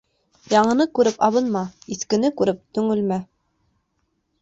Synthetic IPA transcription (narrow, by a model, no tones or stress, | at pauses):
jɑɴɤ̆nɤkʉɾɘpɑβɤnmɑiθkɘ̆nɘkʉɾɘp̚t̪ɵ̆ŋɘ̆lmæ